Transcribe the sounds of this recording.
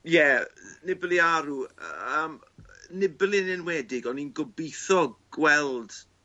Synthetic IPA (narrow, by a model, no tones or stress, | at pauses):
jɛnɪblˠiaɾuə̰əːm | nɪblˠinɪnwɛːdɪɡɔninɡɔbiθɔɡwɛlˠd̥